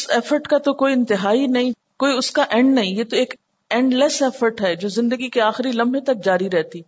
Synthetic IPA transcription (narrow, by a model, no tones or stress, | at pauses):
ʊsɛːfəɾʈkat̪okoːiɪ̃nt̪ɪɦaːinɐɦĩ | koːiʊskaʔɛ̃ːɳɖnɐɦĩjet̪oeːk | ɛ̃ːɳɖlɛsɛːfəɾʈɦɛːd͡ʒoːzɪ̃nd̪əɡikeaːxɪɾilɐ̃mbʱẽt̪ɐk̚d͡ʒaːɾiɾɛɦt̪iː